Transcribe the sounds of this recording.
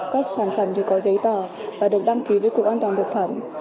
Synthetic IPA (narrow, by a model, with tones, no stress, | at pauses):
kaː˦˥k̚saː˧˩nfə˧˩mt̪ʰi˨˩kɔ˨˦zə˨˦jt̪əː˨˩vaː˨˩ɗɨ˨˩ək̚ɗa˧ŋki˨˦vəː˨˦jkʊ˨˩k̚ʔaː˧nt̪waː˨˩nt̪ək̚fə˧˩m